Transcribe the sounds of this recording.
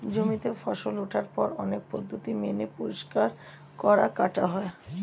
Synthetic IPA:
d͡ʑomit̪efɔʃoloʈʰaɾpɔɾɔnek̚pod̪ʱːot̪imenepoɾiʃkaɾ | kɔɾakaʈaɦɔe

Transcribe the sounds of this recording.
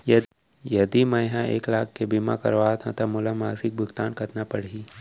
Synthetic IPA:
jɐ | jɐd̪imɐ̃jɦãḛːklaːkkebima̰kɐɾʋaːt̪ʰãt̪ɐmʊlamaːsɪk̚bʱʊkt̪aːnkɐt̪napɐɽ̤iː

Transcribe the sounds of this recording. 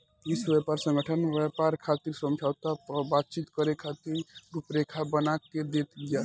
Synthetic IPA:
isbɛpaɾsə̃ŋɡəʈʰənʋjɛpaɾkʰat̪iɾsə̃md͡ʒʱawt̪abat̪̚t͡ʃit̪kəɾekʰat̪iɾɾupɾekʰabənaked̪et̪ɡja

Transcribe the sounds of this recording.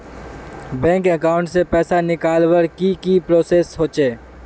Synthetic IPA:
bɛ̃ːŋkəkaːʊ̃ɳʈsepɛːsanɪkaːlwəɾkikipɾoːseːsɦoːt͡ʃeː

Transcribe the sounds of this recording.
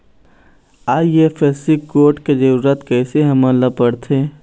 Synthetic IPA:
aːjefʰɛːsikoːʈked͡ʒəɾuːɾət̪kɛːseɦɐmãlɐpəɽt̪ʰeː

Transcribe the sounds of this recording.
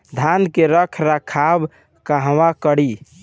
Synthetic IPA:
d̪ʱankeɾəkʰɾakʰab | kaɦwakəɽi

